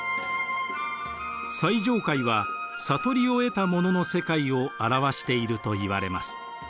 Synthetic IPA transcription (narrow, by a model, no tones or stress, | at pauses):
saiʑo̞ːkaiβasat̪o̞ɾʲio̞e̞t̪amo̞no̞no̞se̞kaio̞aɾaβaɕi̥t̪e̞iɾɯ̟t̪o̞iβa̰ɾe̞masɨ̥